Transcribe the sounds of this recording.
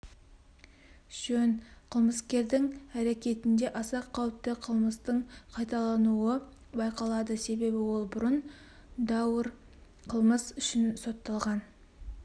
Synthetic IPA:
ʒ̥ɵnqʰəlˠməskʲe̞ɾd̪ɪŋæɾe̞kʲe̞t̪ɪnd̪e̞ʔɑsɑqʰːɑwəp̚t̪ːəqʰəlˠməst̪əɴqʰɑjt̪ɑlˠɑnuə | bɑjqɑlˠɑd̪əse̞be̞bɪwo̞lˠbʊɾən | d̪ɑwəɾ | qʰəlˠməsʏʃɪnso̞t̪ːɑlˠʁɑn

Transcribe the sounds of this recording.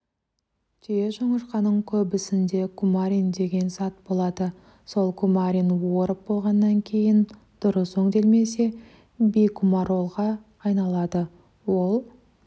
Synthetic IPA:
t̪ʰeʒoɴəɾqɑnəɴkʲʰɵbɪsɪnd̪e̞kʰumaɾʲind̪e̞ɡʲe̞nsɑt̪̚bo̞lˠɑd̪ə | so̞lˠkʰumaɾʲinwoɾəp̚bo̞lˠʁɑnːɑŋkʲʰe̞jɪn | d̪̥ʊɾəsɵŋd̪e̞lme̞se̞ | bijkʰumɑɾo̞lˠʁɑː | jnɑlˠɑd̪ə | wo̞lˠ

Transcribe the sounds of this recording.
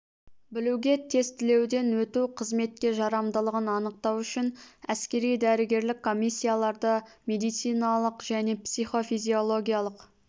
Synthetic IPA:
bɪluwɡʲe̞t̪ʰe̞zt̪ɪle̞wd̪e̞nwɵt̪uqʰəzme̞t̪̚kʲe̞ʒɑɾɑmd̪əlˠəʁənɑnəq̚t̪ɑwʏʃɪnæskʲe̞ɾijd̪æɾɪɡʲe̞ɾlɪkʰːo̞mijsʲːijalˠɑɾd̪əmʲe̞d̪ijt̪sijnɑlˠəqʒ̥æne̞psijχo̞fijzʲio̞lˠo̞ɡʲijalˠəq

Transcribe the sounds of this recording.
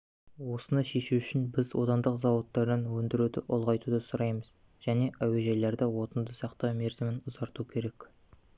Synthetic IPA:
wo̞sənɑʃe̞ʃuʏʃɪnbɪzwo̞̰t̪ɑnd̪əqzɑwot̪ːɑɾd̪ɑnwɵnd̪ɪɾud̪ɪʔʊlˠʁɑjt̪ud̪əsʊɾɑjməz | ʒ̥æne̞ʔæwe̞ʒejle̞ɾd̪ɪwo̞t̪ənd̪əsɑqt̪ɑme̞ɾzɪmɪnʊzɑɾt̪ukʲʰe̞ɾe̞k

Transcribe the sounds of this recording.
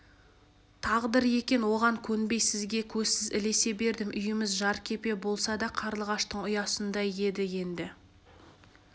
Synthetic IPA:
t̪ʰɑʁd̪əɾje̞kʲe̞nwo̞ʁɑŋkʲʰɵnbe̞jsɪzɡʲe̞kʲʰɵzsɪzɪ̰le̞se̞be̞ɾd̪ɪmʔʏjɪmɪzʒɑɾkʲʰe̞pe̞bo̞lˠsɑd̪ɑqʰɑɾlˠəʁɑʃt̪əɴʊjɑsənd̪ɑje̞d̪ɪje̞nd̪ɪ

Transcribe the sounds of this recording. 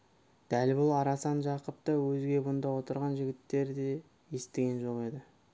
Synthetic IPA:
d̪̥ælbʊlˠɑɾɑsɑnʒɑqəp̚t̪əwɵzɡʲe̞bʊnd̪ɑwo̞t̪əɾʁɑnʒɪɡʲɪt̪ːe̞ɾd̪e̞ | je̞st̪ɪɡʲe̞nʒo̞qe̞d̪ɪ

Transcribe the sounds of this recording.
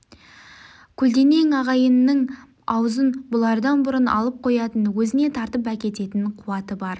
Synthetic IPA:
kʲʰɵld̪e̞ne̞ŋɑʁɑjənːəɴ | ɑwzənbʊlˠɑɾd̪ɑnbʊɾənɑ̰lˠəp̚qʰo̞jɑt̪ənwɵzɪne̞t̪ʰɑɾt̪əp̬ækʲe̞t̪e̞t̪ɪɴqʰʊwɑt̪əbɑɾ

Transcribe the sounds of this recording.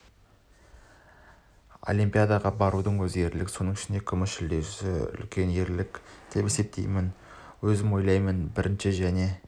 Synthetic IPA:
o̞̰lʲimpijad̪ɑʁɑbɑɾud̪əɴwɵze̞ɾlɪkso̞nəɴɪʃɪnd̪e̞kʲʰʏmɪʃɪld̪e̞sɪʏ̰lkʲe̞ne̞ɾlɪkd̪̥e̞pe̞se̞p̚t̪ʰejmɪn | wɵzɪmwo̞jlˠɑjmənbɪɾʔɪnʃɪʒæne̞

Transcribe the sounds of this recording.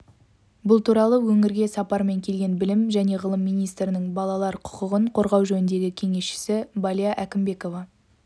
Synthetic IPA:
bʊlˠt̪ʰuɾɑlˠəwɵŋɪɾɡʲe̞sɑpɑɾme̞ŋkʲʰe̞lɡʲe̞nbɪlɪmʒæne̞ʁəlˠəmːijnijst̪ɾɪnɪŋbɑlˠɑlˠɑɾqʰʊ̥qəʁəɴqʰo̞ɾʁɑwʒɵnɪnd̪e̞ɡʲɪkʲʰe̞ŋe̞sʃɪ̥sɪbɑlʲijaʔækʲɪmbe̞ko̞vɑ

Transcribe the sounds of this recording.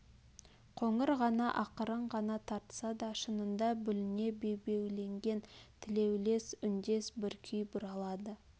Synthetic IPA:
qʰo̞ɴəɾʁɑnɑʔɑqəɾəɴʁɑnɑt̪ʰɑɾt̪ə̥sɑd̪ɑʃənənd̪ɑbʏlɪne̞be̞be̞wle̞ŋɡʲe̞nt̪ʰɪle̞wle̞sʏnd̪e̞sbɪɾkʲʰʏjbʊɾɑlˠɑd̪ə

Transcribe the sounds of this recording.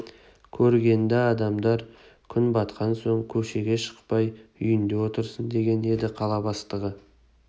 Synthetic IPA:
kʲʰɵɾɡʲe̞nd̪eɑd̪ɑmd̪ɑɾ | kʲʰʏnbɑt̪qɑnso̞ɴkʲʰɵʃe̞ɡʲe̞ʃə̥qpɑjʏjɪnd̪e̞wo̞t̪əɾsənd̪e̞ɡʲe̞ne̞d̪ɪqʰɑlˠɑbɑst̪əʁə

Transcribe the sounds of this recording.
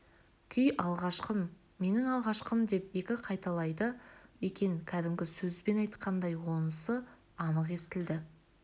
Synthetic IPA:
kʲʰʏjɑlˠʁɑʃqəm | me̞nɪŋɑlˠʁɑʃqəmd̪e̞pe̞kʲɪqʰɑjt̪ɑlˠɑjd̪əje̞kʲe̞ŋkʲʰæd̪ɪmɡʲɪsɵzbe̞nɑjt̪qʰɑnd̪ɑjwo̞nəsə | ɑnəqe̞st̪ɪld̪ɪ

